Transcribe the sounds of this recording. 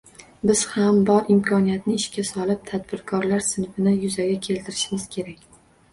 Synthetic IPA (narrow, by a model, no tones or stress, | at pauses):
bɪz̥hambɒɾɪmkʰɒnijat̪̚nɪɪʃkʲasɒlˠɪp̚t̪ʰad̪bɪɾkʰɒɾlaɾsɪnfɪnɪjʊzaɡʲakʲʰe̞lt̪ʰɪɾɪʃɪmɪz̥kʲʰe̞ɾakʲ